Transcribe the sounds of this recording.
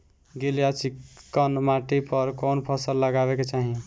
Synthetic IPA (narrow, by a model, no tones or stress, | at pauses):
ɡeljat͡ʃiənmaʈipəɾkonpʰəsəlːəɡabeket͡ʃaɦĩ